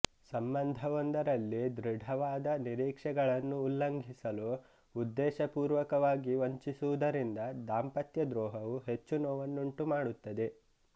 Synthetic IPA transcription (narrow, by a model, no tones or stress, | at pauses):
sɐmbɐnd̪ʱɐʋond̪ʱɐɾɐlːid̪ɾiɖʱɐʋaːd̪ɐniɾiːkʂɛɡɐɭɐnːuːlːɐŋɡʱisɐluː | d̪ːɛːʃɐpuːɾʋɐkɐʋaːɡiʋoɲt͡ʃisuʋud̪ɐɾind̪ɐd̪aːmpɐt̪jɐd̪ɾɔːɦɐʋuɦe̞t͡ʃːunɔːʋɐnːuɳʈumaːɽut̪ːɐd̪e̞